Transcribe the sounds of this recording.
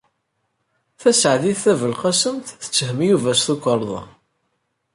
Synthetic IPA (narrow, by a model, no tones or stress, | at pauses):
θæsʕðiθːævəlqɑsəmt̪θə̥t͡sːəhəmjuvæsθukʷːəɾˤðˤɑ̰